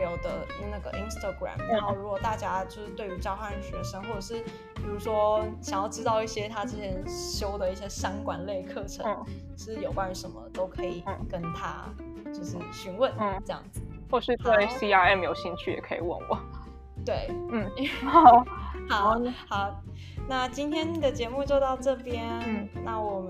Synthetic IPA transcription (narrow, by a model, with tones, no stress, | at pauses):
jo˨˩ʊd̪ə˧na˥˩ɡə˩ʔi˥nst̪a˧ɡɹa̰˨˩mna˧˦xo˥˩ʊɻu˧˥kwɔ˨˩t̪a˥˩t͡ɕja˥t͡ɕjo˥˧ʊʂɻ̩˥˩t̪we˥˩y˧˥t͡ɕjɑ˥ʊxʰa˥˩ɻə˧˥nɕɥɛ˨˥˩ʂə˥nxwɔ˥˩ʈ͡ʂə˨˩ʂɻ̩˥˩ | pi˨˩u˧˥ʂwɔ˥ɕjɑ˨˩ŋjɑ˥˧ʊʈ͡ʂɻ̩˥t̪ɑ˥˧ʊi˥˩ɕjɛ˥t̪ʰa˥ʈ͡ʂ̩˥˩ɕjɛ˥˩nɕjo˥ʊd̪ə˨i˥˩ɕjɛ˥ɕɑ˥ŋkwa˥nle˥˧ɪkʰɤ˥˩ʈ͡ʂʰə˧˦ | ʂɻ̩˥˩jo˨˩ʊkwa˥n˧nʂə˧˥nmə̰˧t̪o˥ʊkʰɤ˧˥i˨˩kə˦nt̪ʰa̰˥ | t͡ɕjo˥˧ʊʂɻ̩˥˩ɕy˧˥nwə˥˨n˩ʈ͡ʂɤ˥˧jɑ̰˥˩ŋd͡zɹ̩˩ | xwɔ˥˩ɕy˥˧t̪we˥˩ɪsi˥a˥ɛ˥˩mjo˨˧˩ʊɕi˥˧nt͡ɕʰy˥˩jɛ̰˨˩kʰɤ˧˥ḭ˨˩wə̰˥˩nwɔ̰˨˩˦ | t̪we˥˩ɪn̩˥˩˨ʊha˨˩˦ʊxa˨˩˦ʊ | na˥˧t͡ɕi˥nt̪ʰjɛ˥nni˨˩d̪ə˩t͡ɕjɛ˧˦mu˥˧t͡ɕjo˥˧ʊt̪ɑ˥˧ʊʈ͡ʂɤ˥˩pjɛ˥nna˥˩wɔ˨˩ə˦